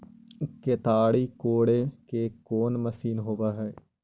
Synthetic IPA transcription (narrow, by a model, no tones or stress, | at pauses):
ket̪aːɽikoːɽekekoːnməsiːnɦoːʋaɦɛː